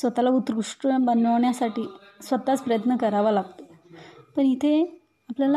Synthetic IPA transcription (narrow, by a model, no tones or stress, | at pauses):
sʋət̪alaut̪ɾuʂʈəbənəʋɳjasaʈiːsʋət̪at͡spɾəjət̪nəkəɾaʋalaɡt̪epəɳit̪ʰe | apljal